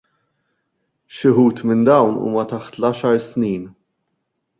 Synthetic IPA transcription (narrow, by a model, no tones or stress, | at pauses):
ʃɪħuːt̪mɪnd̪ɐwnṵːmɐt̪ɐħt̪lɐːʃɐɾsniːn